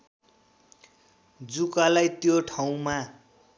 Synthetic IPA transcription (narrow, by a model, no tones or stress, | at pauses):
d͡zukalajt̪joʈʰaw̃ma